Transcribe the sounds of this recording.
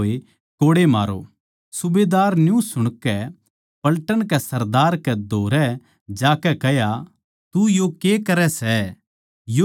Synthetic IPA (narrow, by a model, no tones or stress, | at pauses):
e | koːɽema̰ːɾo̰ | sʊbeːd̪aːɾnjũsʊɽ̃kɛ | pɐlʈəɽ̃kɛsɐɾd̪aːɾkɛd̪ʱoːɾɛ | d͡ʒaːkɛkɛɦja | t̪ujokeːkɐɾɛsɛ | jo